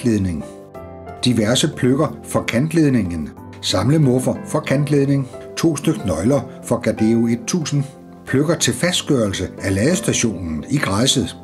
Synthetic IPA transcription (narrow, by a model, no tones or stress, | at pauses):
leðˠne̝ŋ | d̥iʋæɐsəpʰløɡ̥ɐfɒ̽kʰænd̥le̝ðˠne̝ŋən | sɑ̈mləmɔ̽fɐfɒ̽kʰænd̥leð̞ˠne̝ŋt͡sʰo̝̰ːsd̥øɡ̥nɒ̽ɪlɐ | fɒ̽ɡ̥æd̥eo̝e̝d̥̚t͡sʰṵːsn̩ | pʰløɡ̥ɐt͡sʰe̝lfæsd̥̚ɡ̥ɶːɐlsəælɛːðˠəsd̥æɕo̝̰ːnn̩iɡ̥ʁɑɪsəð̩ˠ